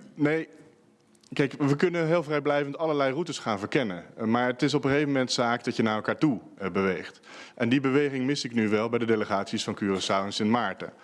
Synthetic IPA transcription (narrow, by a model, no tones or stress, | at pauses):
nej | kɛjkʋəkɵnəɦɪːlˠvrɛjblɛjvəntɑləɹlɛjrutəsχaːnvəɹkɛnəmaːɹətɪs̬ɔpəχejvəmɛntsaːkdɑtjənaːɹɛlˠkaːɹtu | bəʋejχt | ʔɛndibəʋejχɪŋmɪsɪknyʋɛlˠbɛjdədejləχaːtsisfɑnkyːrəsawənsɪnmaːɹtə̰